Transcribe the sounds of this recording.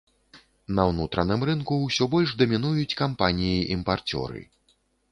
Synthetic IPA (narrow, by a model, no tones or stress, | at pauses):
nɐwnut̪ɾɐnɨmɾɨnkuːsʲɔbɔlʲʐd̪ɐmʲinujut͡sʲkampanʲijiʔimpart͡sʲɔ̰ɾɨ̰